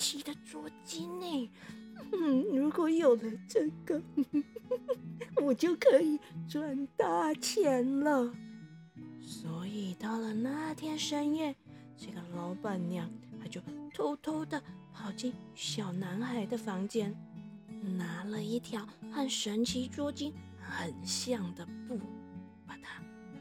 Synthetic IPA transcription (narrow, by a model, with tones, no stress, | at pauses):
t͡ɕʰi˧˥d̪ə˧ʈ͡ʂwɔ˥˩t͡ɕi˥ne˥˩ɪ˥˩ | ɻu˧˥kwɔ˧˥jo˨˩ʊd̪ə˦ʈ͡ʂɤ˥˧ɡə˨˩ | wɔ˨˩t͡ɕjo˥˩ʊkʰɤ˧˥i˨˩ʈ͡ʂwa˨˩nt̪a˥˧t͡ɕʰjɛ˧˥nlə˨ | swɔ˧˥i˨˩t̪ɑ˥˩ʊlə˩na˥˧˩t̪ʰjɛ˥nʂə˥njɛ˥˩n | ʈ͡ʂɤ˥˩ɡə˩lɑ˧˥ʊpa˨˩nnjɑ˨˩˦ŋt̪ʰa˥t͡ɕjo˥˩ʊt̪ʰo˥ʊt̪ʰo˥ʊd̪ə˨pʰɑ˨˩ʊt͡ɕi˥˩ŋɕjɑ˨˩ʊna˧˥nxa˧˥ɪd̪ə˨fɑ˧˥ŋt͡ɕjɛ˥n | na˧˥lə˧i˥˩t̪ʰjɑ˧˥ʊxa˥˩nʂə˧˥nt͡ɕʰi˧˥ʈ͡ʂwɔ˥t͡ɕi˥n | xə˨˩nɕjɑ˥˩ŋd̪ə˩pu˥˩ | pa˨˩t̪ʰa˥